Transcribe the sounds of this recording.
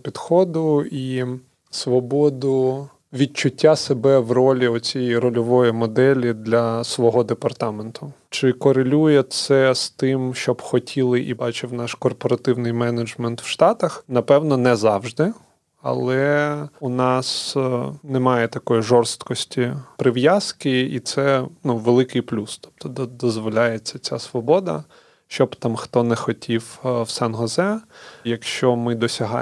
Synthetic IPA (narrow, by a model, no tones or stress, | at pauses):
pʲid̪xɔd̪ʊi | sʋɔbɔd̪ʊ | ʋʲit͡ʃʊtʲːasebɛʋrɔlʲiɔt͡sʲijɛirɔlʲɔʋɔjimɔd̪ɛlʲid̪lʲɐsʋɔɦɔd̪epɐrt̪ɑment̪ʰʊt͡ʃɪkɔɾelʲujɛt̪sɛst̪ɪmʃt͡ʃɔbxɔtʲʰilˠɪʔibɑt͡ʃɪwnɑʃkɔrpɔɾɐt̪ɪwnɪjmɛnɐd͡ʒmɛnt̪wʃt̪ɑt̪ɐxnɐpɛwnɔnɛzɑwʒd̪ɪ | ɐ̰lˠɛunɑs | nɛmɑjɛt̪ɐkɔjiʒɔrst̪kɔsʲtʲipɾɪʋjaskɪit̪sɛnuʋelˠɪkɪjplʲust̪ɔ̥p̚t̪ɔd̪d̪ɔzʋɔlʲajet͡sʲːɐt͡sʲasʋɔbɔd̪ɐ̰ | ʃt͡ʃɔbt̪ɑmxt̪ɔnɛxɔtʲʰiwwsɛnɦɔzɛjɐkʃt͡ʃɔmɪd̪ɔsʲɐɦɑ̰